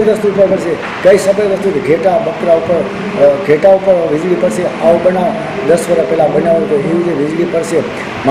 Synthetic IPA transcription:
ɾəst̪ut̪ʰəkəɾʃe | kəisəbəjɾəst̪ut̪ɡʱeʈabəkɾaupəɾ | ɡʱeʈaupəɾʋɪd͡ʒlipəɾʃeaobənaʋ | d̪əsʋəɾəpɛlabənaʋk̪oeʋid͡ʒeʋɪd͡ʒlipəɾʃe | m

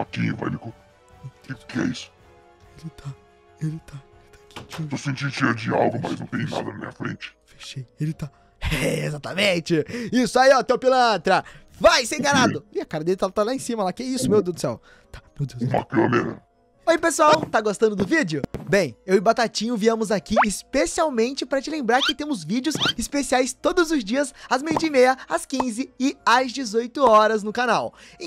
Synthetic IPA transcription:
akĩɲʊva̰j̰likõ | kɪpkɪɛ̰isʊ̥ | elɪt̪ʰa | elɪt̪aelɪt̪ḁkʰikit̪osẽnt͡ʃĩd̪ʊt͡ʃiɐd͡ʒɪa̰wɡʊma̰znɐ̃w̃t̪ẽejna̰d̪ɐnɐmḭ̃ɲɐfɾḛ̃nt͡ʃɪ̥fe̥ʃejelɪt̪a | ɛezat̪ɐmẽt͡ʃɪisʊaiɔt̪ewpilɐ̃t̪ɾɐvajsẽj̃ɡanad̪ʊɪɐkaɾɐd̪elɪt̪at̪alaẽsĩmɐlakɪɛisʊmewd̪ed̪ʊsɛ̰w | t̪ḁmewd̪ewma̰klo̰mḛɾɐ̰ | ojipesuawt̪aɡost̪ɐ̃nd̪ʊd̪ʊvid͡ʒɪʊbẽj̃ewɪbat̪at͡ʃĩɲʊviɐ̃mʊzakiɪspesiawmẽnt͡ʃɪpaɾɐt͡ʃɪlẽmbɾaɾkɪt̪ẽmʊzvid͡ʒɪʊzɪspesiajst̪od̪ʊzʊzd͡ʒiɐsazmejd͡ʒɪmejɐɐskĩzɪɪɐzd͡ʒɪzojt̪ʊɔɾɐznʊkanaw

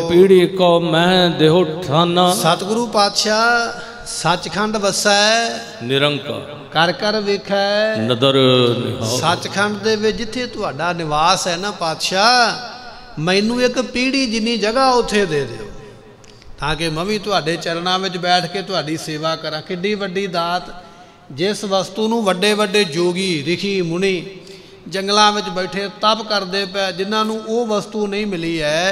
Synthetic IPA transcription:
piːɽiːkɔːmɛ̃ːd̪eːɦoːʈʰaːnãːssət̪ɡɾuːpaːd̪ʃaː | sət͡ʃkʰəɳɖʋəsaːɛɛː | nɪɾəŋka̰ː | kəɾkəɾʋɪkʰɛːɛːnəd̪əɾnɪ̰ɦsət͡ʃkʰəɳɖd̪eːʋɪt͡ʃd͡ʒɪt̪ʰːeːt̪ʊɦaːɖaːnɪʋaːsɛːnaːpaːd̪ʃaː | mɛ̃ɪnũːɪkpiːɽiːd͡ʒɪnːiːd͡ʒəɡaːʊt̪ʰːeːd̪eːd̪ḛːo̰ː | t̪ãːkɪmə̃ʋĩːt̪ʊaːɖeːt͡ʃəɾɳãːʋɪt͡ʃbɛːʈʰkeːt̪ʊaːɖiːseːʋaːkəɾãːkɪɖiːʋəɖːiːd̪aːt̪ | d͡ʒɪsʋəst̪uːnũːʋəɖeːʋəɖeːd͡ʒoːɡiːɾɪkʰiːmʊɳiː | d͡ʒəŋɡlãːʋɪt͡ʃbɛɪʈʰeːt̪əpkəɾd̪eːpɛːd͡ʒɪnːãːnũːʔoːʋəst̪uːnəĩːmɪliːɛː

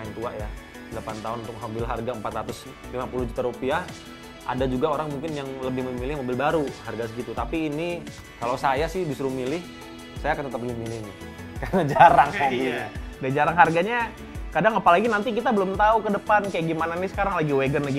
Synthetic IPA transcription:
aɪnt̪uaʔja | dəlapant̪aʊnunt̪ʊkɦobɪlɦarɡaəmpat̪ɾat̪ʊs | limapulʊhd͡ʒut̪aɾupia | ʔa̰dad͡ʒuɡaoɾaŋmuŋkɪnjaŋləbɪhmmilɪhmobɪlbaɾuharɡas̬əɡit̪ut̪apiːni | kalosajasɪhbisuɾumilɪh | sajakant̪ət̪əpbəlɪhmilɪhnɪ | karnad͡ʒaɾaŋaɡidand͡ʒaɾaŋɦarɡaɲa | kadaŋapalaɡinant̪ikit̪abəlʊmt̪aukədəpankajaʔɡimananisə̥kaɾaŋlaɡiweɡənlaɡi

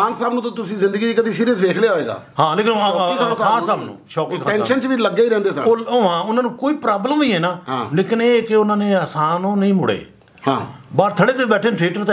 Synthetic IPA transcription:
aːnsaːbnũːt̪ːt̪ʊsĩːzɪ̃nd̪əɡiːd͡ʒkəd̪iːsiːɾijəsʋeːkʰlejaːɦoeːɡa̰ːhãːleːkɪnãːkʰaãːsaːbnṵ̃ːʃɔːkiːkʰaːɛ̃ːʃənt͡ʃʋiːləɡːaːiːɾɛ̃ːnd̪eːsəoːoːɦãːʊnãːnũːkoːiːpɾaːbləmĩːɦɛːnaːɦãːleːkɪneːkɪʊnãːnẽːəsaːnõːnəĩːmʊɽḛː | hã̰ːbaːɾt̪ʰəɽeːt̪ɪbɛːʈʰeːnʈʰɾeːʈət̪ː

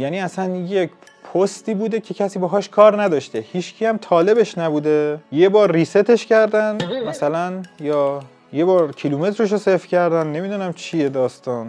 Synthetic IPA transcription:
jæːniːæsænjecʰ | pʰost̪iːbuːd̪ecʰe̞cʰæsiːbeɦɒːʃkʰɒːɾnæd̪ɒːʃt̪e̞hiːʃcʰijæmt̪ʰɒːle̞beʃnæbuːd̪ejebɒːɾːiːset̪ʰe̞ʃcæɾd̪ænmæsælænjɒː | je̞bɒːɾcʰiluːme̞t̪ʰɾeʃ̬osefcʰæɾd̪ænːe̞miːd̪uːnæmt͡ʃʰie̞d̪ɒːst̪ɒːn

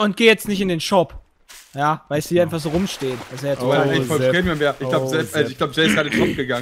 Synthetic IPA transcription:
ʊnt̚ɡ̥eːjɛt͡stnɪçtɪndeːnʃɔp | jaːvaɪlshiːɐaɪnfaχz̥oːʁʊmʃteːənaseɛɐɛfɔlʁeːmanveɐʔɪç̥laʊbzɛɛɪçɡ̥laʊbəd͡ʒɛːɪsd̥aːɾdenʃɔp̚ɡ̥əɡaŋ

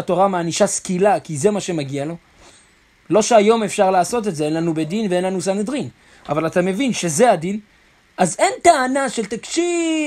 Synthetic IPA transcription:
ato̞ʁamaːniʃaskilakize̞maʃe̞maɡialo̞ | lo̞ʃeajo̞me̞fʃaʁlaːso̞t̪̬etze̞enlanube̞d̪inveenlanusaned̪ʁin | avalatame̞vinʃe̞ze̞adin | ʔaze̞nt̪aːnaʃe̞lt̪akʃi

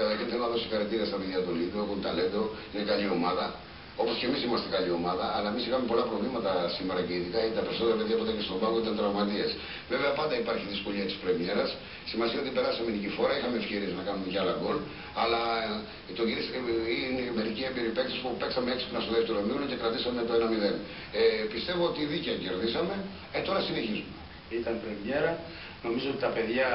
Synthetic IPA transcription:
ixɐnθelonɐðosixɐɾet̪iɾɐst̪ɐpeðjɐt̪oliðokunt̪ɐlend̪oinekɐʎio̞mɐðɐ | o̞posce̞misimɐst̪ekɐʎio̞mɐðɐːlɐemisixɐme̞po̞lɐpɾo̞vlimɐt̪ɐsime̞ɾɐceiðikɐt̪ɐpe̞ɾiso̞t̪eɾɐpeðiɐpot̪ɐcest̪ombɐɣoit̪ɐnt̪ɾɐvmɐt̪ies | veve̞ɐpɐnd̪ɐipɐɾçiðisko̞ʎiɐt̪i̥spɾe̞mie̞ɾɐs | simɐsiɐot̪ipe̞ɾɐsɐme̞nicifo̞ɾɐixɐme̞ːfçe̞ɾie̞znɐkɐnume̞ceɐlɐɡo̞l | ɐlɐ | t̪oɟiisinemeɾiciembiɾipekt̪ispupeksɐmeeksi̥punɐst̪oðeft̪e̞ɾominoce̞kɾɐt̪isɐmet̪oenɐmiðe̞n | epist̪e̞vo̞ot̪iðiceɐce̞ɾðisɐme̞ | et̪o̞ɾɐsine̞çizume | it̪ɐnpɾemjeɾɐ | no̞mizoot̪it̪ɐpe̞ðʝɐ

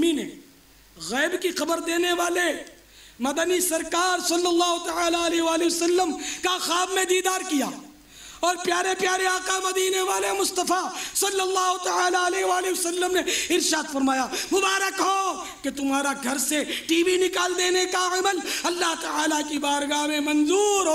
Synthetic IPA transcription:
minḛ | ɣɛːbkixɐbəɾd̪eːneʋaːle | mɐd̪ənisɐɾkaːɾsɐlːɐlːaːɦot̪ɐaːlaɐliɦʋaːliʋɐsɐlːəmkaxaːbmẽd̪iːd̪aːɾkijaː | ɔːɾpjaːɾepjaːɾeaːqamɐd̪iːneʋaːlemʊst̪əfasɐlːɐlːaːɦot̪ɐaːlaɐleɦʋaːliɐsɐlːəmneɪɾʃaːd̪fɐɾmaːjamʊbaːɾəkɦoː | ket̪ʊmɦaːɾaɡʱɐɾseʈiːʋinɪkaːld̪eːnekaɐməlɐlːaɦt̪ɐaːlakibaːɾɡaːɦmẽmɐ̃nzuːɾɦo

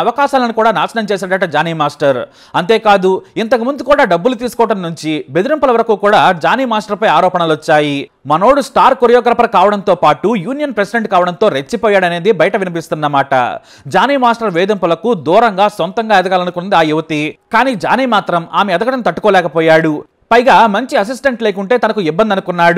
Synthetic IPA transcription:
ɐʋɐkaːʃaːlɐnikuːɽaːnaːt͡ʃɐnɐmt͡ʃɛːs̬aːɽɐʈːɐd͡ʒaːniːmaːsʈɐɾ | ɐnt̪eːkaːd̪uint̪ɐkumund̪ukuːɽaːɖɐbːulut̪̬iːsu̥kɔːɐʈɐmːuɲt͡ʃibe̞d̪iɾimpɐlɐʋɐɾɐkuːkuːɽaːd͡ʒaːniːmaːsʈɐɾpɐjaːɾɔːpɐɳɐlɔt͡ʃːaːji | mɐno̞ːɽusʈaːɾkoɾɐjɔːɡɐɾɐpɐɾɐkaːʋɐɽɐnt̪oːpaːʈujuːnijɐnpɾesiɖeɳʈkaːʋɐɽɐnt̪o̞ːɾet͡ʃːipɔːjaːɽɐne̞ːd̪ibɐjɐʈɐʋinip̬ist̪unːɐmaːʈɐ̰ | d͡ʒaːniːmaːsʈɐɾʋɛːd̪ɐmpɐlɐkud̪uːɾɐŋɡaːsɔnt̪ɐŋɡaːɛd̪ɐɡaːlɐnukunnd̪iaːjuʋɐt̪ikaːniːd͡ʒaːniːmaːt̪ɾɐma̰ːmeɐd̪ɐɡɐʈɐnut̪ɐʈːu̥kɔːlɛːkɐpɔːjaːɽu | pɐjɡaːmɐɲt͡ʃiɐs̬is̬ʈeɳʈleːkuɳʈe̞ːt̪ɐnɐkuibːɐnd̪ɐnukunːaːɽu

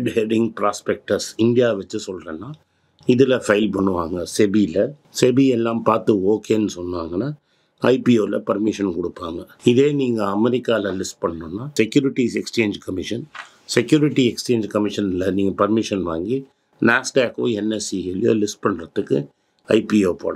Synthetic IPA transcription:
ɖheːɖɪŋɡpɾaːspɛk̚ʈɐsɪnɖɪjaːʋɐt͡ʃːɯsɔlːɾɐːnːaː | ɪðɪlɐfɐɪlpɐɳːɯʋaːŋɡɐsɛbilɐ | sɛbiɛlːãːmpaːɾt̪ɯoːkeːnːɯsɔnːʋaːŋɡɐnːaː | ɐɪpioːlɐ̰pɐɾmɪʂɐnkɔɽɯpːaːŋɡɐ | ɪðeːniːŋɡɐɐmɛɾɪkːaːlɐlɪsʈ̚pɐɳːɐnoːnːaːsɛkjuːɾɪʈːiːsɛkst͡ʃeːɲd͡ʒkɐmɪʂɐn | sɛkjuːɾɪʈːiɛkst͡ʃeːɲd͡ʒkɐmɪʂɐnɪlɐniːŋɡɐpɐɾmɪʂɐnʋa̰ːŋɡi | naːsʈaːkoːɛnːɛsiɛlɪjo̰ːlɪsʈ̚pɐɳːɾɐðɯkːɯ | ɐɪpioːpo̰ːɽɐ̃

